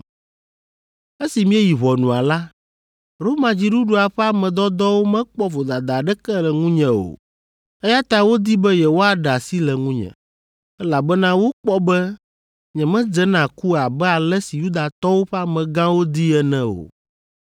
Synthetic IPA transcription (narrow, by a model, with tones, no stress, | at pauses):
ɛ˦si˨mĩ˦ɛ˦ji˨βɔ˨nũ˨a̰˨la˦ | ɾo˦mã˨d͡ʑi˦ɖu˦ɖu˦a˨ɸɛ˦a˦mɛ̃˨d̪ɔ˦d̪ɔ˦wo˦mɛ̃˦k͡pɔ˦vo˨d̪a˨d̪a˨ɖɛ˦kɛ˦lɛ˨ŋũ˦ɲɛ̃˨o̰˨ | ɛ˦ja˦t̪a˦wo˦d̪i˦bɛ˦jɛ˨wo˦a˨ɖa˨si˦lɛ˨ŋũ˦ɲɛ̰̃˨ | ɛ˦la˨bɛ˦nã˦wo˦k͡pɔ˦bɛ˦ | ɲɛ̃˨mɛ̃˦d͡ʒɛ˦nã˨ku˦a˨bɛ˦a˨lɛ˦si˨ju˦d̪a˨t̪ɔ˦wo˦ɸɛ˦a˦mɛ̃˨ɡã˦wo˦d̪i˦ɛ˦nɛ̃˦o̰˨